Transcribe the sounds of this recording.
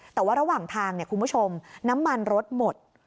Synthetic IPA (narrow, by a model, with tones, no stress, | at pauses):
t̪ɛː˨˩waː˥˩ɾa˧waː˨˩ŋt̪ʰaː˧ŋni˥˩ɐkʰu˧nbu˥˩o˧mna˦˥mːa˧nɾo˦˥t̪̚mo˨˩t̪̚